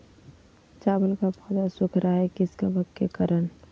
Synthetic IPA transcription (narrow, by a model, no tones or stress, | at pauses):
t͡ʃaːbəlkapɔd̪asʊkʰɾʔaɦɛkɪskabəkkekəɾən